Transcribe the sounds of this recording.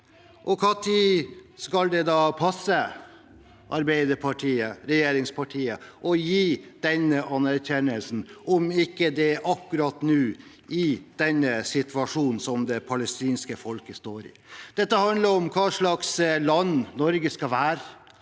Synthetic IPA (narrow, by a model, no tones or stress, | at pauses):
ʔɔkʰɑːt̪ʰiskɑld̪ɛd̪ɑːpʰɑsːə | ʔɑɾbæɪd̪əpʰɑʈʰiːəɾɛjeːɾɪŋspʰɑʈʰiːəʔɔjiːd̪̥ɛnːəʔɑnæɾçɛnːəlsn̩ʔɔmɪkːəd̪ɛʔɑkːʉɾɑt̪nʉː | ɪd̪̥ɛnːəsɪt̪ʰʋɑʂuːnn̩sɔmd̪ɛpʰɑlɛst̪iːnskəfɔlkəst̪oːɾɪ̰d̪̥ɛt̪ːəhɑnd̪ləɾɔmkʰɑːʂɭɑkslɑnːnɔɾɡəskɑʋæːɾə